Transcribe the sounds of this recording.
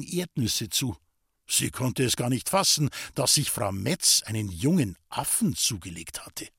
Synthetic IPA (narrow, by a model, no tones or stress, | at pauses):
ŋʔeɐtnɪsət͡suː | z̥ḭːkʰɔntəɛsɡ̥aːɐnɪçtfasn̩d̥asz̥ɪçfʁ̥a̰ʊmɛt͡sʔaɪnənjʊŋənʔafn̩t͡suːɡəleːkthatʰə̥